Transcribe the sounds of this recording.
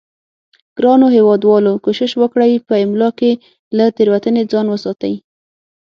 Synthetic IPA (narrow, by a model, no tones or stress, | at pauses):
ɡ̥ɾɑnoɦewɑd̪wɑlokoʃɪʃwəkɽəjpəɪmlɑke | lat̪eɾwat̪əned͡zɑnwəsɑt̪aj